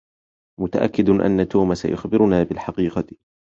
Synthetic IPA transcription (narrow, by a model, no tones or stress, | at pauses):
mʊt̪aʔa̰kːɪd̪ʔa̰nːat̪oːmasa̰jʊ̰xbɪɾʊnaːbɪlħɑqiːqɑ